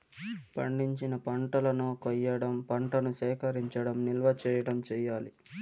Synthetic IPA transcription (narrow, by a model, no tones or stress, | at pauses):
pɐ̰ɳɖiɲt͡ʃinɐpɐɳʈɐlɐnoːkɐjːɐɽɐmpɐɳʈɐnuʃɛːkɐɾiɲt͡ʃɐɽɐmnilʋɐt͡ʃɛːjɐɽɐmt͡ʃɛːjaːli